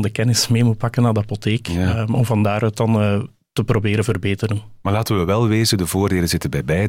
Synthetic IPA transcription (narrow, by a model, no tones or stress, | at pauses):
dəkɛnɪsmeːmut̚pɑkənaːdəɑpoteːkɔmvɑndaːɾœt̚ɑn | təprobeːɾənvərbeːtəɾənmaːrlaːtənʋəʋɛlˠʋeːzədəvoːrdeːlənzɪtənbɛjbɛj